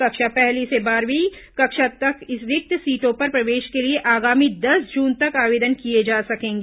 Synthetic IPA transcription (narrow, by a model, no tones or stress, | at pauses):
kɐkʃapɛɦlisebaːɾʋikɐkʃat̪ɐkɪsʋɪk̚t̪siːʈõpɐɾpɾɐʋeːʃkelieʔaːɡaːmid̪ɐsd͡ʒuːnt̪ɐkaːʋeːd̪ənkied͡ʒaːsɐkẽːŋɡeː